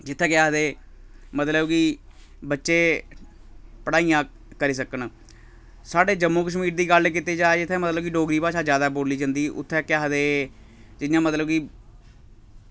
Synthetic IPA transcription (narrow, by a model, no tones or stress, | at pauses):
d͡ʒɪt̪ʰːɛ̃ːkɪaːɦd̪eː | mət̪ləbkiː | bətːʃeː | pəɽaːiːãː | kəɾiːs̬əkən | saːɖeːd͡ʒəmːõːkəʃmiːɾd̪iːɡəlk̬ɪt̪eːd͡ʒaːed͡ʒɪt̪ʰːɛ̃ːmət̪ləbkiɖoːɡɾiːpaːʃaːzjaːd̪aːboːliːd͡ʒãːnd̪iːʔʊ̰t̪ʰːɛːkɪaːɦd̪eː | d͡ʒɪjãːmət̪ləbkiː